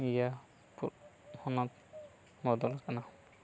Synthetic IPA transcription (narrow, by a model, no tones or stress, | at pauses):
ija | puhɔnat̚ | mɔd̪ɔlakana